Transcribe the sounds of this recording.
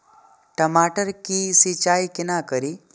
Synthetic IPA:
ʈəmaʈəɾkisit͡ʃajkinakəɾi

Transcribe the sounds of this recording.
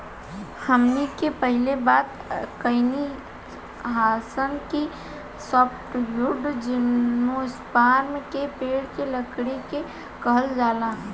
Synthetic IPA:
həmnikepəɦɪlebaːt̪ | kəɪni | ɦaːsənki | sɔːpʰʈjʊɖd͡ʒɪnːoɪspaːɾmẽkepeːɽkeləkɽeke | kəɦəld͡ʒaːla

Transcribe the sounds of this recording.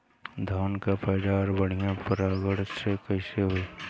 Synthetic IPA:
d̪ʱaːnkapaɪɖaːɾbəɽ̤ijãpəɾaːɡəɽsekəɪseɦoi

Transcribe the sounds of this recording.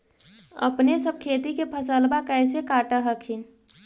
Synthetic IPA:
ə̰pnesəb̚kʰet̪ikepʰəsəlbakɛɪsekaːʈəɦəkʰin

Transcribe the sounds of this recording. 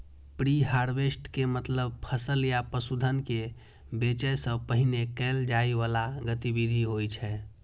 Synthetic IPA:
pɾiɦaɾbesʈkemət̪ləb̚pʰəsəljapəsud̪ʱənke | bet͡ʃəjsəbpəɦinekɛld͡ʒaiʋalaɡət̪ibid̪ʱiɦojt͡ʃʰɛ

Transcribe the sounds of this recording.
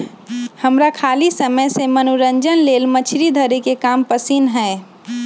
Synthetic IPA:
həmɾakʰaːlisəməjsemənuɾəɲd͡ʒənleːlmət͡ʃʰɾid̪ʱəɾekekaːmpəsinɦɛ̃ː

